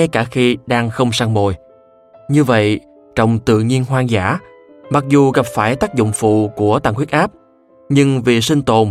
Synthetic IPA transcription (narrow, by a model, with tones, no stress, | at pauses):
kaː˧˩xi˧ɗaː˧ŋxə˧wŋ͡msaː˧ŋmo˨˩j | ɲɨ˧və̰˧˨j | t͡ɕə̰˧˨wŋ͡mt̪ɨ̰˧˨ɲi˧ənɦwaː˧ŋzaː˧˩ | ma˨˩k̚zu˨˩ɣa˨˩p̚faː˧˩jt̪aː˦˥k̚zʊ̰˧˨ŋ͡mfṵ˧˨ku˧˩ət̪aː˧˨ŋkwi˦˥t̚ʔaː˦˥p̚ | ɲɨ˧ŋvi˨˩sï˧ŋ̟t̪o˨˩n